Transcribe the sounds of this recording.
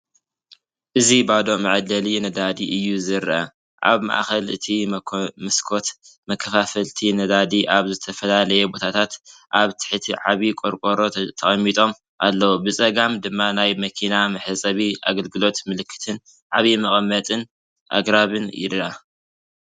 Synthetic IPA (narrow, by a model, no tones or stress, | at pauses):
ʔɨzibad̪o̞mɐʕd̪ɐlinɐd̪ad̪iʔɨjːuzɨɾʔa̰ | ʔa̰βma̰ʔxɐlɨ̰t̪ʰimɐskʰot̪ | mɐkʰːɐfafɐlt̪ʰinɐd̪ad̪iʔaβzɨt̪ʰɐfɐlalɐjɛbo̞t̪ʰat̪ʰat̪ʔaβt̪ʰɨ̥ħɨt̪ʰiʕaβikʼoɾkʼoɾo̞t̪ʰɐχʼɐmːit̪ʼo̞m | ʔalːɐwubɨt͡sʼɐɡamd̪ɨmːanajmɐkʰinamɨħɨsʼɐβia̰ɡɐlɡɨlo̞t̪mɨlɨkːɨ̥t̪ʰɨn | ʕaβimɐχʼmːɐt̪ʼɨn | ʔa̰ɡɾaβɨnjɪ̰ɾʔa